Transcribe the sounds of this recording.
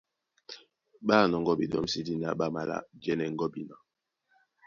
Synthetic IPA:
ɓa˦˨nɔ˨ŋ̩˦ɡɔ˦bi˨dɔ̰˦m̩˦si˦di˦na˦ɓa˦ma̰˨la̰˦d͡ʒɛ˦nɛ˨ŋ̩˦ɡɔ˦bi˨na˨

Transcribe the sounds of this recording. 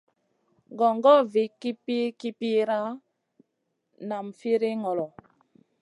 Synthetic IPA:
ɡɔ˨ŋɡɔ˦vi˨ki˦pi˦ki˦pi˦ɾa˦ | na˨m˨fi˦ɾi˦ŋɔ˨lɔ˨

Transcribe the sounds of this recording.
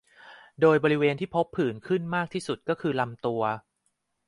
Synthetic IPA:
doː˧jbɔː˧ɾi˦˥weː˧nt̪ʰiː˥˩pʰo˦˥pʰːɯː˨˩nkʰɯ˥˩nmaː˥˩k̚t̪ʰiː˥˩su˨˩t̪̚kɔː˥˩kʰɯː˧la˧mt̪u˧ɐ

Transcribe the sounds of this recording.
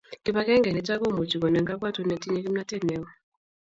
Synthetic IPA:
ki˦pa˦kɛ˦ŋɡɛ˨nɛ˨˦ta˦kɔ˦˨mu˨t͡ʃi˨kɔ˨nɛ˨ŋɡa˦ka˦tu˨˦nɛ˨ti˦ɲɛ˦ki˦m̩˦na˦tɛ˦˨nɛ˨˦ɔ˨

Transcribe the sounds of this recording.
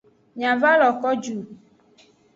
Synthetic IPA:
ɲã˨va˦lɔ˨kɔ˦d͡ʒu˨

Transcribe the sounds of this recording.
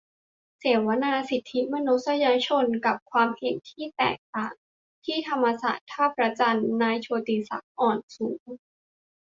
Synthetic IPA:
se˨˩wa˦˥naː˧si˨˩t̪ʰːi˦˥ma˧nu˦˥t̪sa˧jaː˧t͡ɕʰo˧nka˨˩p̚kʰwaː˧mhe˨˩nt̪ʰiː˥˩t̪ɛ̰ː˨˩k̚t̪aː˨˩ŋ | t̪ʰiː˥˩t̪ʰa˧mːa˧sa̰ː˨˩t̪ʰːaː˥˩p̚ɾa˧t͡ɕa˧nːaː˧jt͡ɕʰoː˧t̪iː˧sa̰˨˩˦k̚ʔɔː˨˩nsuː˩˦ŋ

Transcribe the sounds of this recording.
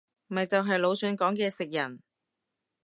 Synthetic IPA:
mɐ˨jt͡sɐ˨wɦɐ˨jlo˨˧wsœː˨˧nkɔː˨˥ŋkɛː˧sɪ˨k̚jɐ˨˩n

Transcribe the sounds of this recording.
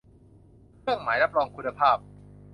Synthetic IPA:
kʰɯ˥˩əŋmaː˩˦jɾa˦˥p̚ɾɔː˧ŋkʰu˧nːa˧pʰaː˥˩p̚

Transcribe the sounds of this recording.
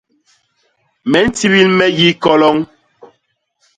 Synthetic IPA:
mɛ˨˦n̩˦ti˦βi˦lmɛ˦ji˦kɔ˦lɔ˦ŋ

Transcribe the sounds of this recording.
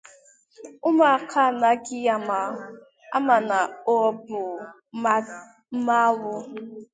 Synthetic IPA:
ʊ˦ma˨a˨kʰa˦˨na˨˦ɡi˦ja˨ma˨ | a̰˦ma˨na˨o˦˨bʊ˨˦ | m̩˦ma˦wʊ˦

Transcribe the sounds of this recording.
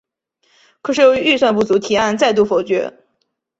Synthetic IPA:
kʰɤ˨˩ʂɻ̩˥˩jo˨˧˥y˥˧swa˥˧np̬u˥˩t͡su˧˥t̪ʰi˨˩a˥˧nt͡sa˥˧ɪt̪u˥˩fo˨˩ʊt͡ɕɥɛ˧˥

